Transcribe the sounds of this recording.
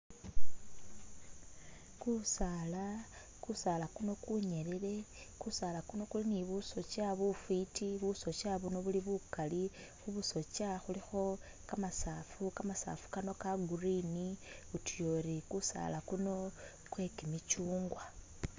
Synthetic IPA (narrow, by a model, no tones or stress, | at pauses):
kusala | kusaːlakuno̞kuɲe̞lele̞ | kusalakuno̞kuliniβuso̞t͡ʃaβufitiβuso̞t͡ʃaβuno̞βuliβukali | xuβuso̞t͡ʃaxulixo̞ | kamasaːfukamasa̰ːfu̥kano̞kaɡuriniutujo̞ɾikusa̰lakuno̞ | kwe̞kimit͡ʃuːŋɡwa